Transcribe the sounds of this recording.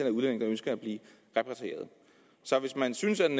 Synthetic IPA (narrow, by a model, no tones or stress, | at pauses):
enæuðˠlen̰e̝ŋønsɡ̥ɐæb̥liː | ʁɛpʰʁɛt͡sʰʁḛːɐðˠ | sɒ̽ʋe̝smænsynsæd̥en